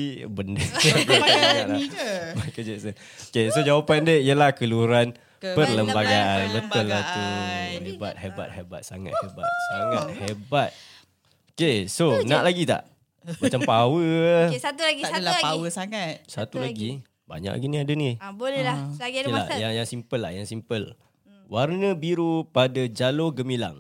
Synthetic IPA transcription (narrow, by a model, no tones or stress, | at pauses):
bəndəaɡaaaaʔlamakəd͡ʒəsə | okesod͡ʒawapandəijəlahkəluɾan | pərləmbaɡaanbət̪əlːat̪uhebat̪̚ɦeba̰t̪̚heba̰t̪̚saŋa̰t̪̚hebat̪̚saŋat̪̚hebat̪̚ | okesonaʔlaɡit̪a̰ʔ | mat͡ʃampawəat̪ulaɡialapawəsaŋat̪̚sat̪ulaɡi | ba̰ɲa̰ʔla̰ɡiniadənibolɛlaaəlajaŋjaŋsimpəlːa̰hjaŋsimpəl | warnəbiɾupadad͡ʒaloɡəmila̰ŋ